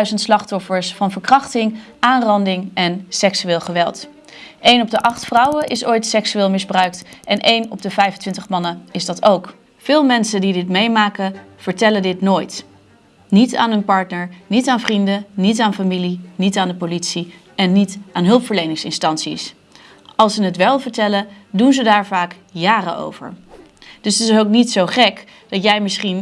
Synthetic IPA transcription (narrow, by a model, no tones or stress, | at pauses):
dɥzəntslɑχtɔfəɹsfɑnvəɹkrɑχtɪŋ | aːnrɑndɪŋʔɛnsɛksyɪːlˠχəʋɛlˠt | ejnɔb̚dəʔɑχtfrʌwəʔɪsojtsɛksyɪːlˠmɪzbrœɥk̚tɛnʔejnɔ̰b̚dəvɛjvəntʋɪntəχmɑnəɪzdɑtowk | v̥ɪːlˠmɛnsədidɪtmejmaːkəv̥əɹtɛlədɪtnoːjt | nita̰ːnɦɵnpɑɹtnəɹnitaːnvrindənitaːnfamilinitaːndəpolitsi | ɛnːitaːnɦɵlˠpfəɹlejnɪŋsɪ̰nstɑnsḭs | ɑlˠsənətʋɛlˠvəɹtɛlədunzədaːɹvaːk | jaːrə̰ʔo̰wvə̰ɹ | d̥ɵsətɪsowknitsowχɛk | d̥ɑtjɛjmɪsχin